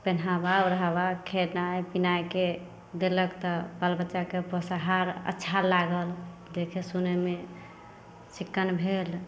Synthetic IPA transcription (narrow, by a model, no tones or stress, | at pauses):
penɦabaɾəɦabakʰeʈnajpinajke | d̪eləkt̪ɔbalbətːt͡ʃʃakepəsaɦaɾə̰tːʃʰalaɡəld͡ʒekʰesuneme | sikːənbʱel